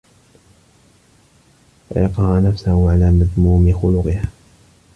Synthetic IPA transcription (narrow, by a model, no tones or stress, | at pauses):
fa̰jɑqɑhanafsahʊʕalaːmaðmuːmɪxʊlʊqɪhaː